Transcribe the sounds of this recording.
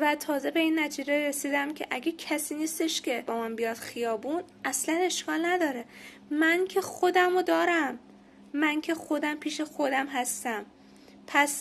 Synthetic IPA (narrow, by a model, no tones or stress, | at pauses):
væt̪ʰɒːze̞be̞iːnːæt̪ʰiːd͡ʒeɾesiːd̪æmcʰe̞̰ʔæɡecʰæsiːniːst̪e̞ʃcʲʰe̞bɒːmænbijɒːd̪̥xijɒːbuːn | ʔæslæne̞ʃkʰɒːlnæd̪ɒːɾe | mæncʲʰe̞xod̪æmod̪ɒːɾæmː | æncʲʰe̞xo̞d̪æmpʰiːʃe̞xo̞d̪æmɦæst̪æm | pʰæs